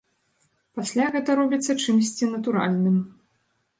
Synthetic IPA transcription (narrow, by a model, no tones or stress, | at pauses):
pasʲlʲaɣɛt̪ɐɾɔbʲit̪sːɐt͡ʂɨmsʲt͡sʲinɐt̪uɾa̰lʲnɨm